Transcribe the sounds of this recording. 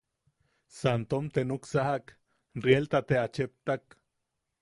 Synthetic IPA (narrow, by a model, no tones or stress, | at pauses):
sant̪omt̪enuksahak | rjelt̪at̪eat͡ʃep̚t̪ak